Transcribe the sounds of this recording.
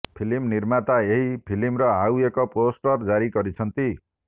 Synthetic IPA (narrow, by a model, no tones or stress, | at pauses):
pʰilimniɾmat̪aeɦipʰilimɾʌɦawekoposʈʌrd͡zaɾiɡʌɾit͡sʰʌnt̪i